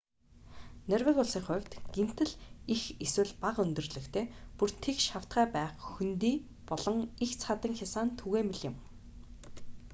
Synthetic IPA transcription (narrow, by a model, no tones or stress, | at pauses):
nærwɘ̆kʊɮsiːŋχʊ̟wʲt̪ɡ̥em̥t̪ɘ̆ɮixeswɘ̆ɮpaqɵnt̪ɵ̆rɮɵ̆xt̪ʰeːpur̥t̪ʰekʃaw̥t̪ɢæːpæːχxunt̪iː | pɔɮɞ̆ŋixt͡sʰχat̪ə̆ŋxʲasaːnt̪ʰuɣeːmeɮɪ̆m